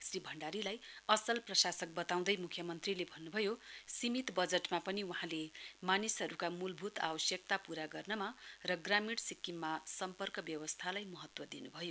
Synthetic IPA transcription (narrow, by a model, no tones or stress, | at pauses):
sribʱʌɳɖaɾilajʌsʌlprʌsasʌk̚bʌt̪aw̃d̪ʌjmukʰjʌmʌnt̪rilebʱʌnːubʱʌjosimit̪bʌd͡zʌʈmapʌniwuɦãlemanisɦʌɾukamulbʱut̪a̰bʌsjʌk̚t̪apuɾaɡʌrnʌmarʌɡramiɽsikːimːasʌmpʌrkʌbjʌwʌst̪ʰalajmʌɦʌt̪wʌd̪inubʱʌjo